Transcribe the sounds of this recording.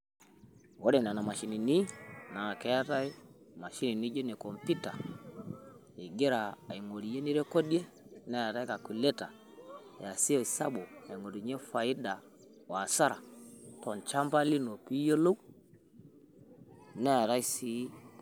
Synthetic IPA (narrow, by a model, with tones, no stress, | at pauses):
wɔ˦ɾɛ˨na˨na˨ma˨ʃi˨ni˨ni˦na˨kɛ˨˦ja˦ta˦i˦ | ma˨ʃi˦ni˨ni˦d͡ʒe˦ne˨kɔ˨mpi˦ta˨ | i˨ɡe˦ɾaː˨i˨ŋo˨ɾi˨je˦ni˦ɾɛ˦ko˦dje˦ | nɛ˦a˨ɾa˦jka˨ki˨lɛ˦ta˨ | ja˨si˦ɔ˨i˨sa˦ɓo˨na˨ŋo˨ɾi˨ɲe˦fa˨i˦da˨ | wa˨sa˦ɾa˨tɔ˨n˨t͡ʃa˦mba˦li˦no˨pi˦jo˦lo˦w | nɛ˦a˨ɾa˦i˦si˦